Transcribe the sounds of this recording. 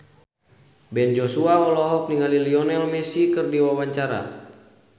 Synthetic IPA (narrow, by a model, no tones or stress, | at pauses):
bɛnd͡ʒɔsuawɔlɔɦɔk̚niŋaliliɔnɛlmɛsikɨrdiwawaɲt͡ʃaɾa̰